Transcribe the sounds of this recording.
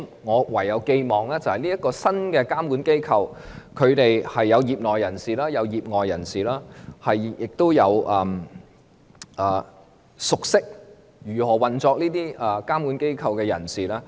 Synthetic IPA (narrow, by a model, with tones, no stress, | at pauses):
ŋɔː˨˧wɐ˨˩jːɐ˨˧wke˧jmɔː˨˩ŋlɛː˥t͡sɐ˨whɐ˨jliː˥jɐ˥t̚kɔː˧sɐ˥nkɛ˧kaː˥mkuː˨˥nke˥jkʰɐ˧wkʰɵ˨˧ɥt̪e˨jhɐ˨jːɐ˨˧wjiː˨p̚ŋɔː˨jːɐ˨˩nsiː˨˩laː˥jɐ˨˧wjiː˨p̚ŋɔː˨jːɐ˨˩nsiː˨laː˥hɐ˨jjɪ˨k̚t̪o˥wjɐ˨˧wʔɐː˨˧m | ʔɐː˨˩ | sʊ˨k̚sɪ˥k̚ | jyː˨˩hɔː˨˩wɐ˨nt͡sɔː˧k̚liː˥t̪iː˥ɐ˧kaː˥mkuː˨˥nke˥jkʰɐ˧wkɛː˧jɐ̰˨˩nsiː˨laː˥